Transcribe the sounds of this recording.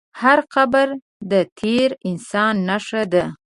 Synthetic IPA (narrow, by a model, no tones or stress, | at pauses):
haɾqabaɾ | d̪ət̪ʰeɾɪnsɑnːaʂad̪a